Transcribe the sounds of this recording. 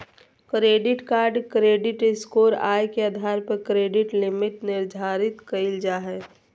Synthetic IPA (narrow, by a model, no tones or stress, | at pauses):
kɾeːɖɪʈkaːɾɖkɾeːɖɪʈɪskoːɾa̰ːjkead̪ʱaːɾpəkɾeːɖɪʈlɪmɪʈnɪɾd̪ʱaːɾɪt̪kəɪld͡ʒaːɦɛ